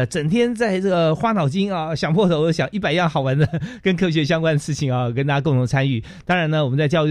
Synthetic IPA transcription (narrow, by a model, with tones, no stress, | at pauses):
t͡sə˨˩ŋt̪ʰjɛ˥nt͡sa˥˧ɪʈ͡ʂɤ˥˩ɡə˩xwa˥nɑ˨˩ʊt͡ɕi˥ŋɐ˧˩ɕjɑ˨˩ŋpʰwɔ˥˩d̪ə˧˩wɔ˨˩jo˥˩ɕjɑ˨˩ŋʔi˥˩pa˨˩ɪjɑ˥˩ŋxɑ˨˩wa˧˥nd̪ə˧kə˥nkʰɤ˥˩ɕ̬ɥɛ˧˥ɕ̬jɑ˥ŋkwa˥nd̪ə˩ʂɻ̩˥˩t͡ɕʰi˨˩ŋɐ˩k̬ə˥nt̪ʰa˥ko˥˩˧ŋt̪ʰʊ˧˥˧t͡sʰa˥ny˥˩ | t̪ɑ˥ŋɻa˧˥nə˧wɔ˨˩ə˦t͡sa˥˧ɪt͡ɕjɑ˥˧ʊy˥˩